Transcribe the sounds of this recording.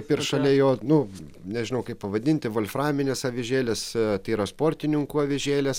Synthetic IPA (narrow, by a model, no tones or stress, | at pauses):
pɪrʃɐlʲɛjoːnʊnʲɛʒʲɪnɐʊkɐɪpɐʋɐd̪ʲɪnʲt̪ʲɪʋolʲfrɑːmʲɪnʲesɐʋʲɪʒʲeːlʲeːst̪ɐɪiːɾɐspoːɾʲt̪ʲɪnʲɪŋkuːɐʋʲɪʒʲeːlʲeːs